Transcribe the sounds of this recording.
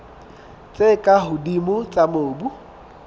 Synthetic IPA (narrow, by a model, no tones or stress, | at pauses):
t͡sʼekʼaɦʊdimʊt͡sʼamoːbu